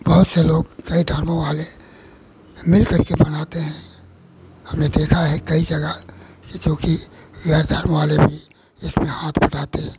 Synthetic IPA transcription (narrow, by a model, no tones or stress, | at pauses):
bɐɦʊt̪seloːɡkɐid̪ʱəɾmõʋaːle | mɪlkɐɾkebɐnaːt̪eɦɛ̃ | hɐmned̪eːkʰaɦɛkɐid͡ʒɐɡa | d͡ʒoːkiʋjaːɾd̪ʱəɾmʋaːlebʱi | ɪsmẽhaːt̪ʰbɐʈaːt̪eɦɛ̃ː